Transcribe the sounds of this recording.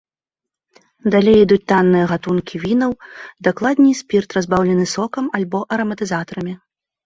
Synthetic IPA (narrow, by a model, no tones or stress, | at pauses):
d̪alʲejid̪ut͡sʲt̪anːɨjɐɣat̪unkʲivʲinɐwd̪aklˠad̪ʲnʲisʲpʲirt̪ɾazbawlʲɛnɨsɔkɐmalʲbɔʔɐɾɐmɐt̪ɨzat̪ɐɾɐmʲi